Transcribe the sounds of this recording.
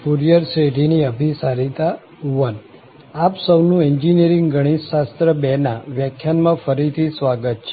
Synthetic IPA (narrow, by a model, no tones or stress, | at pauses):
puɾijəɾseʈiniəbʱisaɾit̪a | ʋən | apsəwnũeɲd͡ʒineɾĩŋɡɡəɽ̃iʃast̪ɾəbɛnaʋjakʰːjanmãfəɾit̪ʰisʋaɡət̪̚t͡ʃʰɛ